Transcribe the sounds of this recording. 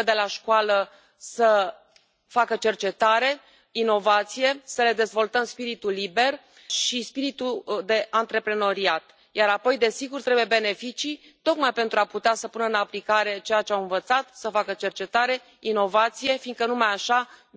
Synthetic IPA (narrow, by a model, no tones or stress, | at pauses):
əd̪e̞laʃkualə | sə | fakət͡ʃe̞rt͡ʃe̞t̪aɾe̞ | ino̞vat̪sije̞səle̞d̪e̞zvo̞lt̪əmspiɾit̪ulibe̞r | ʃispiɾit̪ud̪e̞ʔant̪ɾe̞pɾeno̞ɾiat̪ | jaɾapo̞jd̪e̞siɡurt̪ɾe̞buje̞be̞ne̞fit͡ʃi | t̪o̞kmajpe̞nt̪ɾuaput̪easəpunəɨnaplikaɾe̞t͡ʃe̞jat͡ʃeamɨnvət̪sat̪səfakət͡ʃe̞rt͡ʃe̞t̪aɾe̞ | ino̞vat̪sije̞fiːnɡ̪kənumajaʃa